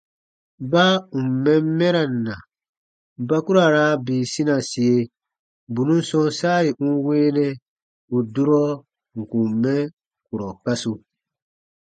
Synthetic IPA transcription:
ba˦u˨m˨mɛ̃˦m˦mɛ˦ɾa˨n˨na˨ | ba˦ku˦ɾa˨ɾa˦biː˨sĩ˦na˨si˨e˨ | bu˨nũ˦sɔ̃˦nsaː˦i˨ʔũ˦weː˦nɛ̃˦ | u˨du˦ɾɔ˦ | ŋ̩˨kũ˨mɛ˦ | ku˨ɾɔ˨ka˦su˦

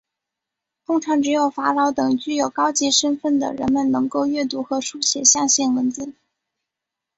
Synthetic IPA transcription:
t̪ʊ˥ŋʈ͡ʂʰɑ˧˥ŋʈ͡ʂɻ̩˧˥jo˨˩ʊfa˧˥ɻɑ˧˥ʊt̪ɤ˨˩ŋt͡ɕy˥˩jo˨˩ʊkɑ˥ʊt͡ɕi˧˥ʂə˥nfə˥˩nd̪ə̰˩ɻə̰˧˥nmə˨nnɤ˧˥ŋko˥˧ʊɥɛ˥˩t̪u˧˥xɤ˧˥ʂu˥t͡ɕʰjɛ˨˩ɕjɑ˥˧ŋɕjɛ˥˩nwə˧˥nt͡sɹ̩˥˩˦

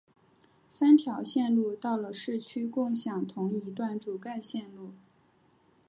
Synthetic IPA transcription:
sa˥nt̪ʰjɑ˧˥ʊɕjɛ˥˧nlu˥˧t̪ɑ˥˩ʊlə˩ʂɻ̩˥˩t͡ɕʰy˥kʊ˥˩ŋɕjɑ˨˩ŋt̪ʰʊ˧˥ŋi˧˥t̪wa˥˩nʈ͡ʂu˨˩ka˥˧ɪɕjɛ˥˧nlu˥˩

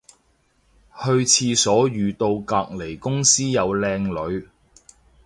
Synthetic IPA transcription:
hɵ˧ɥt͡sʰiː˧sɔː˨˥jyː˨t̪o˧wkaː˧k̚le˨˩jkʊ˥ŋsiː˥jɐ˨˧wlɛː˧ŋlɵ˨˧ɥ

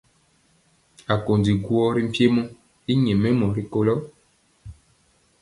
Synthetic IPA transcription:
a˨ko˨ndi˨ɡwɔ˦ɾi˦m̩˦pje˦mɔ̃˦ | i˦ɲɛ̃˨mɛ˦mɔ̃˨ɾi˦ko˦lɔ˦

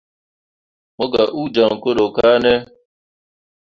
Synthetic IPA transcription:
mo˦ɡa˨ʔu˦d͡ʒa˨ŋ̩˨ko˦ɗo˨ka˦ne˦

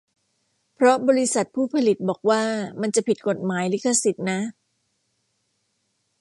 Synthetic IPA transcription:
pʰɾɔ˦˥bɔː˧ɾi˦˥sa˨˩t̪̚pʰuː˥˩pʰa˧li˨˩t̪̚bɔː˨˩k̚waː˥˩ma˧nt͡ɕa˨˩pʰi˨˩t̪̚ko˨˩t̪̚maː˩˦jli˦˥kʰːa˧si˨˩t̪̚na˦˥

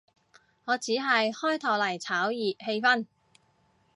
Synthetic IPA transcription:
ŋɔː˨˧t͡siː˨˥ɦɐ˨jhɔː˥jt̪ʰɐː˨˩wlɐ˨˩jt͡sʰaː˨˥wjiː˨p̚he˧jfɐ˥n

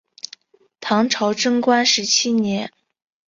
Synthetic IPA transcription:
t̪ʰɑ˧˥ŋʈ͡ʂʰɑ˧˥ʊʈ͡ʂɤ˥ŋkwa˥nʂɻ̩˧˥t͡ɕʰi˥njɛ˧˥n

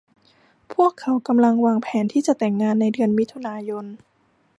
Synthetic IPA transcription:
pʰu˥˩əkʰːa˩˦wka˧mla˧ŋwaː˧ŋpʰɛː˩˦nt̪ʰiː˥˩t͡ɕa˨˩t̪ɛ˨˩ŋːaː˧nːa˧jdɯ˧ənmi˦˥t̪ʰu˧naː˧jo˧n

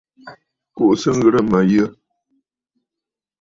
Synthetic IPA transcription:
ko˦ʔsɨ˦n̩˦ɣə˦ɾə˦ma˨jə˦

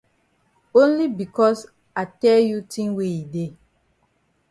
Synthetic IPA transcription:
õ˦nli˦bi˨kɔ˦s | a˨tɛ˦lju˦tĩ˦ŋwe˦i˨de˦˨

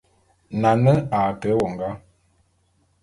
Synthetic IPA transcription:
na˨nə˦a˨tə˨˦wɔ˨ŋɡa˦

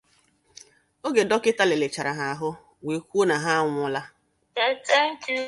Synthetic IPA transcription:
o˦ɡe˨dɔ˦kɪ˦ta˦le˨le˨t͡ʃa˨ɾa˨ɦa˨a˨ɦʊ˦ | we˨kʷu˦o˦na˨ɦa˦ŋʷʊ˨ʊ˦la˦ | te˨te˦ŋ̩˦t͡ʃi˦

